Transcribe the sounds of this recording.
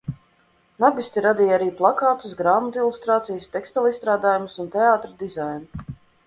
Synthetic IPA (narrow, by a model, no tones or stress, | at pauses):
nabisʲt̪ʲiɾad̪ijaɾiːplˠakaːt̪usɡɾaːmɔt̪ilˠust̪ɾaːt̪sijəst̪ɛkst̪alˠist̪ɾaːd̪aːjumʊsunt̪eaːt̪ɾad̪izajnu